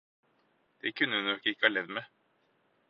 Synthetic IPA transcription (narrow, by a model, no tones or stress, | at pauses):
d̪̥ɛkʰʉnːəʉnɔkːɪkːəɑːɭɛd̪me